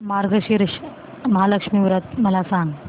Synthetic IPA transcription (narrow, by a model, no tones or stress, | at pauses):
maɾɡʱəɕiɾʃ | məɦaləkʂmiʋɾət̪̚məlasãŋɡ